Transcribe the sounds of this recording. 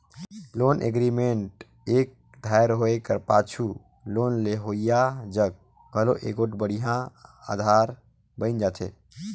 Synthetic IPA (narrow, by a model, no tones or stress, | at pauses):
loːnʔḛɡɾimẽɳʈ | eːk̚ | d̪ʱaːjəɾɦoekəɾpaːt͡ʃʰu | loːnleɦojad͡ʒəɡ̚ | ɡʱəlo̰ʔḛːkoːʈbəɽ̤iɦãa̰ːd̪ʱaːɾ | bəɪnd͡ʒaːt̪ʰḛː